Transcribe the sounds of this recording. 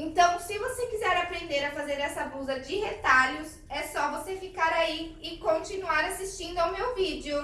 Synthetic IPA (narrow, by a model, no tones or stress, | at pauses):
ẽnt̪ɐ̃w̃sɪvosekizɛɾapɾẽnd̪eɾafazeɾɛsɐbuzɐd͡ʒɪhet̪aʎʊs | ɛsɔvosefikaɾaiɪkõnt͡ʃinuaɾasist͡ʃĩnd̪ʊawmewvid͡ʒɪʊ